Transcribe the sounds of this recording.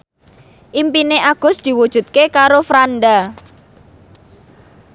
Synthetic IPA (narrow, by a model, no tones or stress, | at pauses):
ʔimpineʔaɡ̥ʊ̤sd̪̥i̤wud̥ʒ̥ṳt̪̚kekaɾofɾanɖa